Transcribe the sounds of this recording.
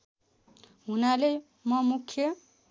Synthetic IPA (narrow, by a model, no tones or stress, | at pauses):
ɦunale | mʌmukʰːjʌ